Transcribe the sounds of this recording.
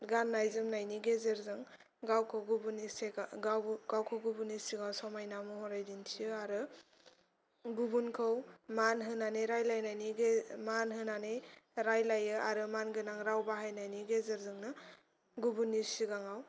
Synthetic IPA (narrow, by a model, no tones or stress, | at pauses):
ɡanːajzɯmnajniɡezeɾzɯŋ | ɡawkʰɯwɡubuniseɡawɡ̥awkʰɯwɡubunisiɡawsɔmajnamɯhɔɾajdintʰiɯaɾɯ | ɡubunkʰɯwmanɦɯnaneɾajlajnajniɡmanɦɯnanejɾajlajɯaɾɯmanɡɯnaŋɾawbaɦajnajniɡezeɾzɯŋnɯ | ɡubunːisiɡaŋaw